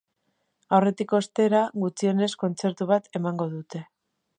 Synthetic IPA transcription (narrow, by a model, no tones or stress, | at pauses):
awre̞t̪iko̞st̪e̞ɾaɣut͡sie̞ne̞sko̞nt͡se̞ɾt̪uβ̞at̪ʰe̞maŋɡo̞ðut̪e̞